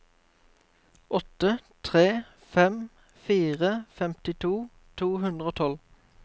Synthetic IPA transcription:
ɔt̪ət̪ʰʁeː | fɛm | fiːʁəfɛmt̪ɪt̪ʰuː | t̪ʰuːhʉnd̪ʁəoːt̪ʰɔl

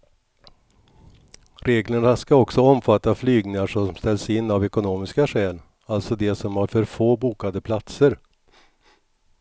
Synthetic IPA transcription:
ɾeːɡlənaskaɔksɔɔmfat̪ːaflyːɡnɪŋaʂɔmst̪ɛlsɪnːavɛkʊnoːmɪskaʂɛːl | alt̪sɔd̪ɛsɔmhaɾfœɾfoːbuːkad̪əpʰlat̪səɾ

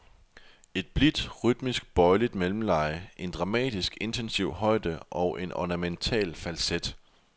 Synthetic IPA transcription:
e̝d̥̚b̥lid̥ʁyd̥misɡ̥̚b̥ɒ̽ɪlid̥melm̩lɑ̈ɪəʔe̝nd̥ʁɑ̈mɛ̰ːd̥isɡ̥e̝nt͡sʰensiʊ̰hɒ̽ɪ̰d̥əʔɒ̽ʊʔe̝nʔɒ̰næment͡sʰɛ̰ːlfælsed̥

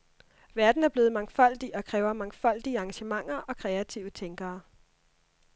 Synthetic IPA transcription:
ʋæɐd̥n̩æɐb̥le̝ːð̩ˠmɑ̈ŋfɒ̽l̰d̥iʔɒ̽kʰʁɛːʊɐmɑ̈ŋfɒ̽l̰d̥iəɑ̈ŋɡæɕəmɑ̈ŋ̰ɐʔɒ̽kʰʁɛæt͡sʰiʊ̰ət͡sʰeŋɡ̥ɐː

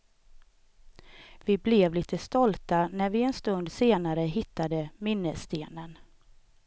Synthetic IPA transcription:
vɪblɛvliːt̪ʰəst̪ɔlt̪anæɾvɪɛnst̪ɵnd̪seːnaɾəɦɪt̪ːad̪əmɪnːəst̪eːnən

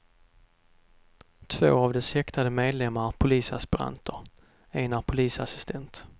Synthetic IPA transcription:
t̪ʰvo̰ːavd̪ɛshɛkt̪ʰad̪əmeːd̪lɛmːaɾpʰʊliːsa̰spɪɾa̰nt̪ʰəɾ | eːnapʰʊliːsasɪ̥st̪ʰɛnt̪

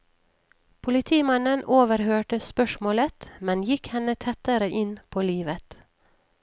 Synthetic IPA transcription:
pʰʊlɪt̪ʰiːmɑnənoːʋəɾhøːʈəspœʃmoːlət̪mɛnjɪkhɛnət̪ʰɛt̪əɾəʔɪnpʰoːliːʋət̪

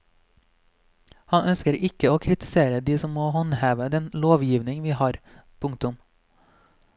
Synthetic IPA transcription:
hɑnœnskəɾʔɪkəoːkʰɾɪt̪ɪ̥seːɾəd̪iːsɔmmoːhɔnhæːʋəd̪ɛnloːʋjiːʋnɪŋʋiːhɑːɾ | pʰʊŋt̪ʊm

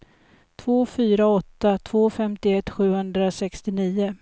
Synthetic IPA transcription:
t̪ʰvoːfyːɾaɔt̪ːat̪ʰv̥oːfɛmt̪ɪɛt̪ːɧʉ̟ːhɵnd̪ɾasɛkst̪ɪniːʊ

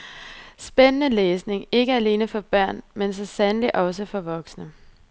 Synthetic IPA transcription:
sb̥enənəleːsne̝ŋe̝ɡ̥əæle̝ːnəfɒ̽b̥ɶɐ̰nmensɒ̽sænəliʔɒ̽s̬əfɒ̽ʋɒ̽ɡ̥snə

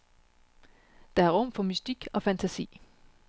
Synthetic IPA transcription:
d̥ɑ̈æɐʁɔ̽m̰fɒ̽mysd̥iɡ̥ɒ̽fænt͡sʰæsḭː

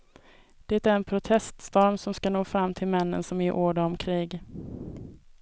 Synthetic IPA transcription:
d̪̥ɛt̪æɾɛnpʰɾʊt̪ʰɛst̪st̪ɔɾmsɔmskanoːfɾamːt̪ʰɪlmɛnːə̰nsɔmɪʔoːɖaɔmkʰɾiːɡ

